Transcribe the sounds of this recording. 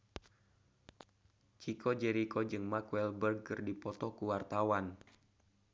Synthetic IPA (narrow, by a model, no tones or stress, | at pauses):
t͡ʃikʰɔd͡ʒɛɾikɔd͡ʒɨŋmakwɛlbərɡ̚ːɨrdipɔt̪ɔkuwart̪awan